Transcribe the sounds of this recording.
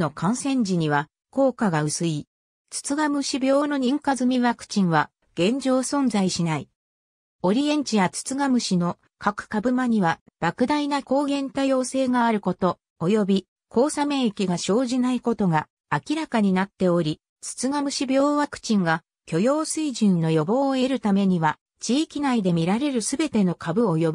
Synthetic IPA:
no̞kʰãɰ̃sẽ̞ɲd͡ʑiɲ̟iβa | ko̞ːkaɡaɯ̟sɨi | t͡sɨ̥t͡sɨɡamɯ̟ɕibʲo̞ːno̞ɲ̟ĩŋkazɨmʲiβakɯ̥t͡ɕĩɰ̃βa | ɡ̥ẽ̞ɲ̟d͡ʑo̞ːsõ̞nd͡zaiɕinai | o̞ɾʲiẽ̞ɲ̟t͡ɕijat͡sɨ̥t͡sɨɡamɯ̟ɕino̞ | kakɯ̟̥kabɯ̟maɲ̟iβa | b̥akɯ̟d̪ainako̞ːɡẽ̞nt̪ajo̞ːse̞ːɡaːɾɯ̟ko̞t̪o̞ | ojo̞bʲi | kʰo̞ːsamẽ̞ɰekʲiɡaɕo̞ːʑinaiko̞t̪o̞ɡaː | kʲiɾakaɲ̟inat̪ːe̞o̞ɾʲi | t͡sɨ̥t͡sɨɡamɯ̟ɕibʲjo̞ːβakɯ̟̥t͡ɕĩŋɡa | kʲo̞jo̞ːsɨiʑĩnːo̞jo̞bo̞ːe̞ɾɯ̟t̪ame̞ɲ̟iβa | t͡ɕiːkʲinaid̪e̞mʲiɾaɾe̞ɾɯ̟sɨbe̞t̪e̞no̞kʰabɯ̟ojo̞bi

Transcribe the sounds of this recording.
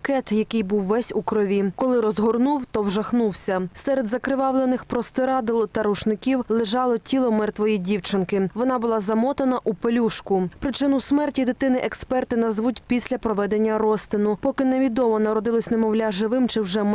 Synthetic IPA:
kɛt̪jɐkɪjbuwːɛsʲukɾɔʋʲikɔlˠɪɾɔzɦɔrnuwt̪ɔwʒɐxnuwsʲɐsɛɾed̪zɐkɾɪʋɑʋlˠenɪxpɾɔst̪ɪɾɑd̪ɪlˠt̪ɐɾuʃnɪkʲiwlˠɪʒɑlˠɔtʲilˠɔmɛrt̪ʋɔjidʲiwt͡ʃɪnkɪʋɔn̪ɑbʊlˠɑzɐmɔt̪ɐnɐʔupelʲuʃkʊpɾɪt͡ʃɪnʊsmɛrtʲid̪ɪt̪ɪnɪʔɛkspɛrt̪ɪnɐzʋutʲpʲisʲlʲɐpɾɔʋɛd̪enʲːɐrɔst̪ɪnʊpɔkɪneʋʲid̪ɔmɔnɐɾɔd̪ɪlˠɔsʲnɛmɔwlʲaʒɪʋɪmt͡ʃɪwʒɛm

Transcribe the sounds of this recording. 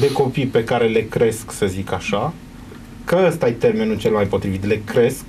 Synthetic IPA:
d̪e̞ko̞pijpe̞kaɾe̞le̞kɾe̞sksəzikaʃa | kəəst̪ajt̪e̞rme̞nult͡ʃe̞lmajpo̞t̪ɾivit̪le̞kɾe̞sk̚

